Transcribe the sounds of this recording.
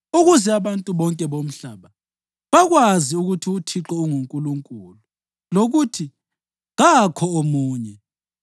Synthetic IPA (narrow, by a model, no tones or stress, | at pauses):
uɣuzɛaβantʼuβɔŋkʼɛβom̩ɬaβa | βaɣwaziuɣutʰiutʰiǁɛuŋuŋkʼuluŋkʼulu | loɣutʰi | ɣakʰɔomuːɲɛ